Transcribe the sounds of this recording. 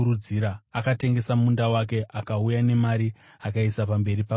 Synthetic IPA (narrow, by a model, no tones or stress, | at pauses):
uud͡ziɾaakate̞ŋɡe̞samundawak̬e̞ʔakaujane̞maɾi | akaisapambe̞ɾipa